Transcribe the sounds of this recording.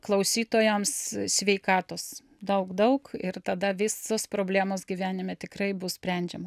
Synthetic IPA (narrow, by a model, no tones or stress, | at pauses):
klˠɐʊsʲiːt̪oːjomssʲʋʲɛɪkɑːt̪oːs | d̪ɐʊkd̪ɐʊkɪrt̪ɐd̪ɐʋʲɪsoːspɾoːbʲlʲæːmoːsɡʲiʋʲæːnʲɪmʲɛt̪ʲɪkrɐɪbʊssʲpʲɾʲɛnʲd͡ʒʲɛmo